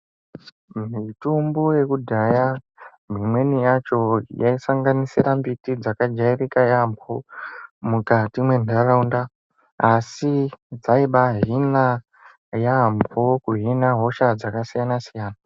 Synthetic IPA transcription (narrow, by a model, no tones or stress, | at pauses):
mitumbuje̞kudʱaja | m̤imwe̞nijat͡ʃo̞jaisaŋɡanisiɾambitid͡zakad͡ʒairikajambomukatimwe̞ndaɾaundaː | sid͡zaiɓaɦina | jambʱokuɦinaɦo̞ʃad͡zakasijanasijaːna